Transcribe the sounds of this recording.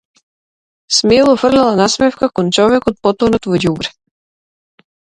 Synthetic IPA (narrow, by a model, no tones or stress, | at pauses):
smelˠɔfrlɛlˠanasmɛfkakɔnt͡ʃɔvɛkɔt̪̚pɔt̪ɔnɔt̪vɔɟubɾɛ